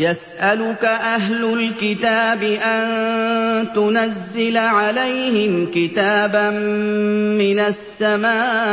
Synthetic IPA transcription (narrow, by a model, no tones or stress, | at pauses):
jasʔalʊkaʔaɦlʊlkɪt̪aːbɪʔan | t̪ʊnazːɪlaʕalajhɪmkɪt̪aːbamː | ɪnasːamaː